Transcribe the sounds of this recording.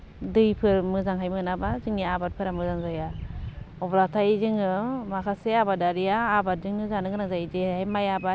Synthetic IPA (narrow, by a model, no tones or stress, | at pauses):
dɯjpʰɯɾmɯzaŋɦajmɯnabazɯŋniabat̚pʰɯɾamɯzaŋzaja | ɔblatʰajizɯŋɯmakʰaseabadaɾijaːbat̚dɯŋɯzanɯɡɾaŋzajid͡ʒeajmajaba